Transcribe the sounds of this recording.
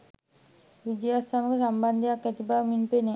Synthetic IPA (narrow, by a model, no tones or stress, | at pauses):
ʋid͡ʒijasaməkəsamband̪ejakːæt̪ibaːminpene